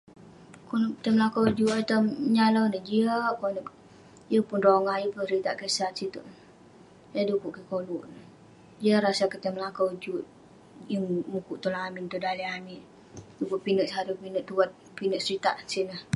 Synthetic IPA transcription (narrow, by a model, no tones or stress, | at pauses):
konkət̪əmlakəwd͡ʒuʔat̪əmɲaləwnəhd͡ʒiəkonə | jəpʊnroŋahjəpunsɾit̪aʔkəsat̪̚sit̪ṵʔ | jədukuʔkəkoluʔn | d͡ʒiəɾasakət̪əmlakawd͡ʒuʔ | jəŋmukuʔt̪ulaamint̪udaliamin | dukuʔpinəʔsaɾupinəʔt̪uwat̪̚ | pinəʔsɾit̪a̰ʔsinəh